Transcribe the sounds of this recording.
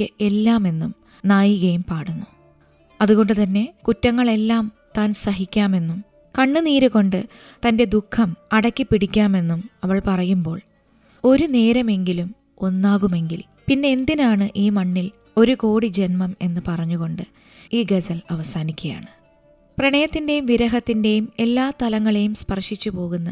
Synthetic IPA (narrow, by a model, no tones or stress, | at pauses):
ɨe̞lːaːme̞nːum | naːjiɣɐjumpaːɽunːu | ɐðuɣo̞ɳɖɨt̪ɐnːe̞kutːɐŋːɐɭe̞lːaːm | t̪aːnsɐɦikʲːaːme̞nːum | kɐɳːɨniːɾuɣo̞ɳɖɨ | t̪ɐnde̞d̪ukʰːɐmɐɽɐkʲːipːiɽikʲːaːme̞nːumɐʋɐɭpɐrɐjumbo̞ːɭ | o̞ɾune̞ːɾɐme̞ŋɡilum | o̞nːaːɣume̞ŋɡil | pinːe̞ːnd̪inaːɳɨʔiːmɐɳːil | o̞ɾuko̞ːɽid͡ʑe̞nmɐme̞nːɨpɐrɐɲːuɣo̞ɳɖɨ | iːɡesɐlɐʋɐsaːnikʲːɐja̰ːɳɨ | prɐɳɐjɐt̪ːinde̞jumʋiɾɐɦɐt̪ːinde̞jume̞lːaːt̪ɐlɐŋːɐɭe̞jumspɐrʂit͡ɕːupo̞ːɣunːɐ